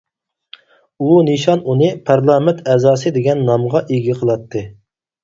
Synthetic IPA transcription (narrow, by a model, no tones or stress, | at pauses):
unɨʃɑnunɨpʰɑɾlˠɑmɪnt̪ʰɛzɑːsɨd̪eɡʲɛnːɑmʁɑʔeɡʲiqʰəlˠɑt̪ʰːɨ